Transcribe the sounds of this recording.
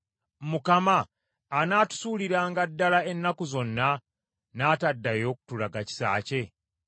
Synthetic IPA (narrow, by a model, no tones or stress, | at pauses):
mukamaː | naːtu̥suːliɾaːŋɡadːalae̞nːakuzo̞nːa | naːtadːajo̞ːku̥tulaɡaci̥sa̰ːce̞